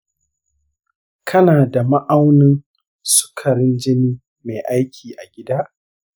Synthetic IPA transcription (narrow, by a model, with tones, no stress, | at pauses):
kʰɐ˦naː˨da˨ma˦ʔa˦wnɪ˦n | sʊ̥˦kʰɐ˨ɾɪ˦nd͡ʒɪ˦niː˦ | me˨ʔa˦jkʲʰiː˨ʔa˨ɡʲɪ˦daː˦